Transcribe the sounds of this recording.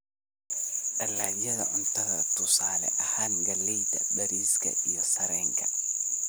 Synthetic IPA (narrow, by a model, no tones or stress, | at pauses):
ʔɐlaːjɐðɐ̰ʔʊnt̪ʰɐɣɐ̰t̪ʰʊsaːlɛ̰ʔɐhaːnɡɐlːɛjt̪ʰɐbɐɾiːskʰɐ̰ʔijɔsɐɾɛːŋkʰɐ̥